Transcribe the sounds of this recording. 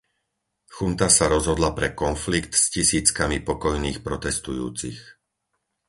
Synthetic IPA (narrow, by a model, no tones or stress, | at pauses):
xunt̪asaɾɔzɦɔd̪lapɾɛkɔnflikt̪scisiːt͡skamipɔkɔjniːxpɾɔt̪ɛst̪ujṵːt͡six